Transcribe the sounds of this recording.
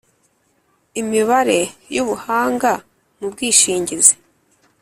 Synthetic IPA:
imiβaɾe̞juβuhaːŋɡa | mubɡiːʃiːɲɟize̥

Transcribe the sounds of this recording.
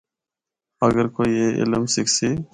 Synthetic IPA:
əɡəɾkoːiːeːʔɪ̰ləmsɪkʰsiː

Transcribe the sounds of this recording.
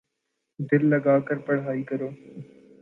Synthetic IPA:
d̪ɪlːəɡaːkəɾpəɽ̤ɦaːiːkəɾoː

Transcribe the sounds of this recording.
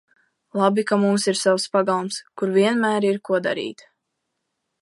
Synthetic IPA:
lˠabikamumsiɾsawspaɡalˠumskuɾviɛnmæːɾiɾkuɔd̪a̰ɾḭːt̪

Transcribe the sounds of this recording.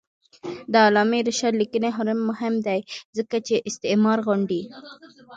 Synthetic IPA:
d̪əːlɑmeɾɪʃad̪likəneɦʊɾɪmːʊɦɪmd̪ajzəkat͡ʃeʔɪst̪ɪmɑɾɣʊɳɖi

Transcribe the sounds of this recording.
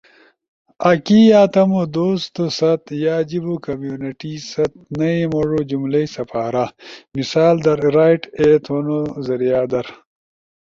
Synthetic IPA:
ɐkijaːt̪ɐmod̪oːst̪osɐt̪jaːd͡ʑibokɐmjuːniʈisɐt̪̚nɐimoʐod͡ʑumlɐsɐpʰaːɾamisaːld̪ɐɾɾaːjʈeːt̪wɐnozɐɾijaːd̪ɐɾ

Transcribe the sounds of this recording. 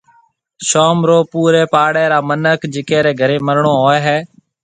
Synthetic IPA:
ʃoːmɾoːpuːɾeːpaːɽeːɾaːmənəkd͡ʒɪkeːɾeːɡʱəɾeːməɾɳoːɦoːeːɦɛː

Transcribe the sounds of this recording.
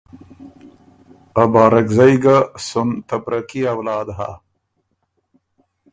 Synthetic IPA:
abɑːɾakzajɡasunt̪ɐpɾɐkiawlɑːd̪ɦa̰

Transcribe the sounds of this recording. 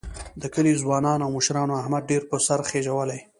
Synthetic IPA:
d̪əkəlizwɑnɑnawmʊʃɾɑnoahmad̪̚ɖeɾpəsaɾxeʒawəlaj

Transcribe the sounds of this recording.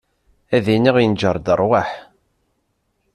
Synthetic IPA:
æðiniʁjənd͡ʒəɾˤd̪ərˤwaħ

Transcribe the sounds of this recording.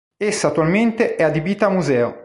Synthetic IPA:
esːat̪ːualment̪eʔɛad̪ibiːt̪amːuzɛːo

